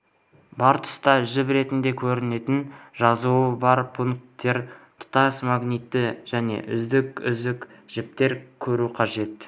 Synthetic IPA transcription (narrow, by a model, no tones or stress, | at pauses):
bɑɾt̪ʰʊ̥st̪ɑʒɪpɾe̞t̪ɪnd̪e̞kʲʰɵɾɪne̞t̪ɪnʒɑzuəbɑɾpʰuŋk̚t̪ːe̞ɾt̪ʰʊ̥t̪ɑsmɑɡnijt̪ːɪʒ̥æne̞̰ʔʏzd̪ɪkʏ̰zd̪ɪkʒ̥ɪp̚t̪e̞ɾkʲʰɵɾuqʰɑʒe̞t̪